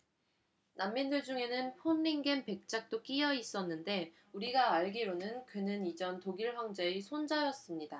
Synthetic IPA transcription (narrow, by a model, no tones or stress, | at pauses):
namːindɯɭd͡ʑuŋe̞nɯnpʰonːiŋɡe̞npe̞k̚t͡ɕ͈ak̚t͈ok͈ijʌis͈ʌnːɯnde̞ | uɾiɡaaɭɡiɾonɯnkɯnɯnid͡ʑʌntoɡiɭɸjʌŋd͡ʑe̞isʰond͡ʑajʌs͈ɯmɲida